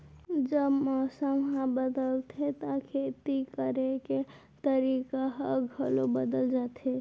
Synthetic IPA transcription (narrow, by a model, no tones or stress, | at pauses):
d͡ʒəbmɔsəmɦãbəd̪əlt̪ʰet̪akʰet̪ikəɾeke | t̪əɾikaɦəɡʱəlobəd̪əld͡ʒat̪ɦe